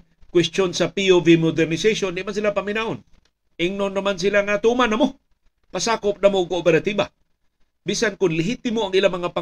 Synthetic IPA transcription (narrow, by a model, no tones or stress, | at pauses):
kwɛst̪jonsapiovimod̪ɛɾnɪsejʃond̪ɪʔmans̬ilapamɪnaʔon | ʔɪŋnonːamans̬ilaŋat̪umanamo | pasaːkop̚namoɡkoʔopɛɾat̪iba | bisankʊnlɪɦit̪ɪmoaŋʔilamɐŋapa